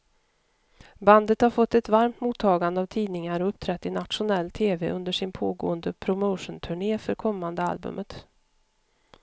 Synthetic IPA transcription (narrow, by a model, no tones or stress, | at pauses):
band̪ət̪haɾfɔt̪ːɛt̪vaɾmt̪muːt̪ʰːɑːɡand̪əavt̪ʰiːd̪nɪŋaɾɔɵp̚ːt̪ʰɾɛt̪ːɪnat̪ʂʊnɛlːt̪ʰeːvɛʔɵnd̪əʂɪnpʰoːɡo̰ːənd̪əpʰɾʊməʊʂənt̪ʰɵɳeːfœɾkʰɔmːand̪əa̰lbɵ̰mʔət̪